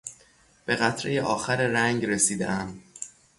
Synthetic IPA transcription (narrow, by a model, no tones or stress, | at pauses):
b̥e̞ɣæt̪ʰɾejeʔɒːxæɾeɾæŋɟre̞siːd̪ḛʔæm